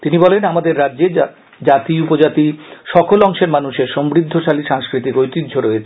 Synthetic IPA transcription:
t̪inibɔlenamad̪eɾːadːd͡ʑe | d͡ʑat̪iupod͡ʑat̪iʃɔkʰolɔŋʃeɾmanuʃeɾʃɔmbɾid̪ʱːoʃaliʃaŋskɾit̪ikojt̪id̪ʱːoɾɔet͡ɕʰe

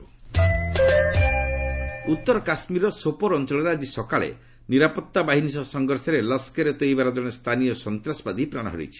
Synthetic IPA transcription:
ut̪ːɔɾɔkasmiɾɔsopɔɾɔnt͡ʃɔɭɔɾead͡ʒisɔkaɭḛ | niɾapɔt̪ːabaɦinisɔsɔŋɡɔɾsɔɾeləskeɾet̪ojbaɾɔd͡ʒɔɽ̃est̪ʰanijɔsɔnt̪ɾasɔ̥pad̪ipɾaɽ̃ɔɦɔ̰ɾḭt͡ʃʰi̥

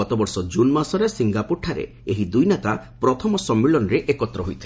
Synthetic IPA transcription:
ɔt̪ɔbɔɾsɔd͡ʒunmasɔɾesiŋɡapuɾʈʰaɾḛ | eɦid̪ujnet̪apɾɔt̪ʰɔmɔsɔmːiɭɔnɔɾeʔekɔt̪ːɾɔɦojt̪ʰi

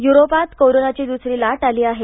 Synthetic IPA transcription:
juɾopat̪koɾonat͡ɕid̪usɾilaʈaliːaɦe

